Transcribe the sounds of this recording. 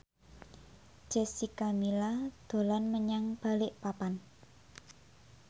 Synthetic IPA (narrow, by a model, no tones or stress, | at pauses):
d͡ʒ̥ɛ̤sikamilad̪̥o̤lanməɲaŋb̥a̤lɪʔpapan